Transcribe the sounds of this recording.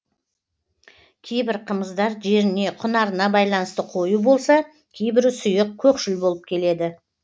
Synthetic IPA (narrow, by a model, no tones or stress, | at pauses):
kʲʰe̞jbɪɾqʰəməzd̪ɑɾʒe̞ɾɪne̞qʰʊnɑɾənɑbɑjlˠɑnəst̪əqʰo̞jubo̞lˠsɑ | kʲʰejbɪɾsʊjəq̚kʲʰɵkʃɪlbo̞lˠəp̚kʲʰe̞le̞d̪ɪ